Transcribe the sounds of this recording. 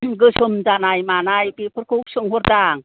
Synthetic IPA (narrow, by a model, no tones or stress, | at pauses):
ɡɯsɯmzanajmanajbipʰɯɾkʰuk̚sɯŋɦoɾdaŋ